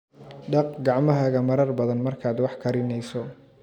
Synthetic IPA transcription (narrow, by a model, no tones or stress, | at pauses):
ɖɑq̚ɡɑʕmɐɦɐɣɐmɐɾɐrbɐðɐnmɐrkʰaːd̪wɑħkʰɐɾɪnɛjsɔ